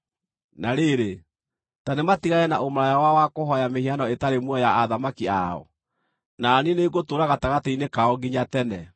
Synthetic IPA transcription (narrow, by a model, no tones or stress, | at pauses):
naɾeɾe | tanematiɣaɛnaʔomɾajawawakoɦɔjamehianɔetaɾemwɔjaaðamakia̰ɔ̰ | naːnineɡotoːɾaɣataɣatainekaɔɡiɲatɛnɛ